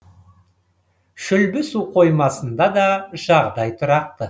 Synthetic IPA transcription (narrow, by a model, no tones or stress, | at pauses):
ʃʏlbɪsuqʰo̞jmɑsənd̪ɑd̪ɑʒ̥ɑʁd̪ɑjt̪ʰʊɾɑq̚t̪ə